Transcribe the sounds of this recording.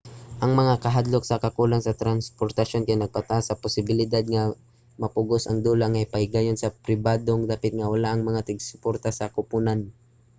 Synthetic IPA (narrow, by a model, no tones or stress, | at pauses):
ʔɐŋmɐŋakɐɦad̪loksɐkɐkuːlaŋsɐt̪ɾanspoɾt̪ɐʃo̞nkajnɐɡ̚pɐt̪asɐpʊsɪbɪlɪd̪ad̪̚ŋɐ | mɐpʊɡosɐŋd̪uːlaŋɐjpɐɪɡaːjonsɐpɾɪbaːd̪oŋd̪aːpɪt̪̚ŋɐwɐlaʔɐŋmɐŋat̪ɪɡsʊ̥poɾt̪asɐkʊpunan